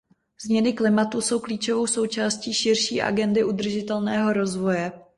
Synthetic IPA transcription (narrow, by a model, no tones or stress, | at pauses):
z̥mɲɛnɪklɪmat̪uso̞wkliːt͡ʃo̞vo̞wso̞wt͡ʃaːsciːʃɪrʃiːʔa̰ɡɛndɪʔud̪r̩ʒɪt̪ɛlnɛːɦo̞ɾo̞zvo̞jɛ